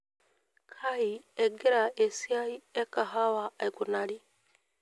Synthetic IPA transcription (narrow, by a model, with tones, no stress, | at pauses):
kʰa˦hiɛ˨ɡe˦ɾa˨e˨si˦a˦i˦ɛ˦kːa˨ɦa˦wa˨a˨iku˨na˨ɾi˦